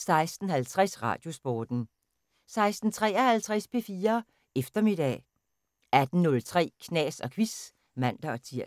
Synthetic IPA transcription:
sɑ̈ɪsd̥n̩hælt͡sʰʁɛsʁɑ̰̈ːd̥jo̝sb̥ɒːd̥n̩ | sɑ̈ɪsd̥n̩t͡sʰʁɛ̰ːɐhælt͡sʰʁɛspʰe̝fiːɐ | efd̥ɐme̝d̥ɛ̰ː | æd̥n̩nɔ̽lt͡sʰʁɛ̰ːkʰnɛ̰ːsɒ̽kʰʋis | mæn̰d̥ɐɒ̽t͡sʰiɐ̰

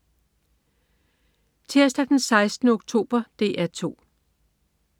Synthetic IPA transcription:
t͡sʰeɐ̰sd̥æd̥nsɑ̈ɪsd̥nəoɡ̥̚t͡sʰo̝̰ːb̥ɐd̥e̝̰ːʔæt͡sʰo̝̰ː

